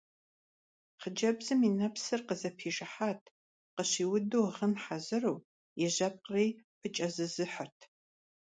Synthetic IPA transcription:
χəd͡ʒɐbzɨminɐpsɨrqəzɐpʰiːʒɐħaːtʰ | qəɕiːwʊduwʁənħazɨrow | jɛʑɐp̚ʼqriːpʰɨt͡ʃʼɐzɨzɨħɐrtʰ

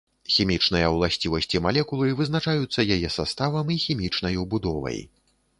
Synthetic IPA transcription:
xʲimʲit͡ʂnɨjɐwlˠasʲt͡sʲivɐsʲt͡sʲimalʲɛkulˠɨvɨzn̪at͡ʂajut̪sːɐjajɛsast̪avɐmixʲimʲit͡ʂn̪ɐjwbud̪ɔvɐ̰j

